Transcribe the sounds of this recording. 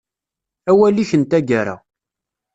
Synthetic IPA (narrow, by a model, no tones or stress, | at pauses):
æwælːiçənt̪æɡaɾa̰